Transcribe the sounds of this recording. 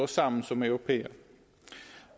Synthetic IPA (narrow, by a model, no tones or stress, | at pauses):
ɔsamsɔmœɾʊpʰeːə̰ɾ